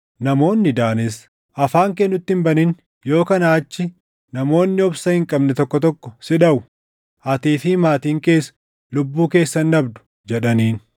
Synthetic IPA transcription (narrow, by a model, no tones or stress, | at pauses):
nɐmo̞ːnːɪd̪aːnɛs | ʔɐfaːŋk̬ɛnːʊt̪ːɪmbɐnin | jo̞ːkɐnɐːt͡ʃːɪ | nɐmo̞ːnːɪɔbsɐhɪŋkʼɐbnɛt̪ɔkːɔt̪ɔkːɔ̥sɪᶑɐʔʊ | ʔɐt̪iːfɪmaːt̪iːŋke̞ːs | lʊbːuːke̞ːsːɐnːɐbd̪ʊ̥ | d͡ʒɛᶑɐniːn